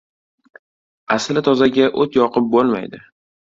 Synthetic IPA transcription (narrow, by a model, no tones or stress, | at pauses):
aslɪt̪ʰɒzaɡʲaʔot̪jɒqʰɨp̚bolˠma̰jd̪ɪ